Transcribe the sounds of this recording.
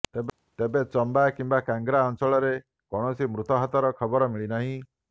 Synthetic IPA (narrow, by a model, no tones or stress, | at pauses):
e | t̪ebet͡ʃɔmbakimbakaŋɡɾaɔnsɔɭɔɾe | kɔɽ̃ɔsimɾut̪ɔɦɔt̪ɔɾɔkʰɔbɔɾɔmiɭinaɦĩ